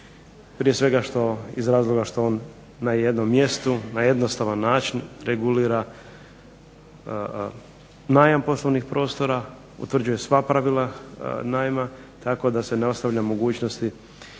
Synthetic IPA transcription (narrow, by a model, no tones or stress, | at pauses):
pɾijesʋe̞ɡaʃt̪o̞izɾaːzlˠo̞ɡaʃt̪o̞oːnː | aje̞d̪no̞mːje̞st̪unaje̞d̪nost̪aʋanːaːt͡ʃinɾeɡuliːɾa | naːjampo̞slˠoʋnixpɾo̞ːst̪o̞ɾa | ṵt̪r̩d͡ʒuje̞sʋapɾaʋilˠanaːjma | t̪ako̞d̪ase̞neost̪aʋʎamo̞ɡuːt͡ʃno̞st̪i